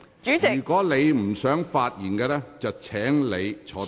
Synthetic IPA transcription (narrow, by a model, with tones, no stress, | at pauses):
t͡ʃyː˨˥˨yː˨˩kʷɔː˨˥le˨˧jm̩˨˩sœː˨˥ŋfaː˧t̚jiː˨˩nkɛː˧lɛː˥t͡sɐ˨wt͡sʰɛː˨˥ŋle˨˧jt͡ʃʰɔː˨˥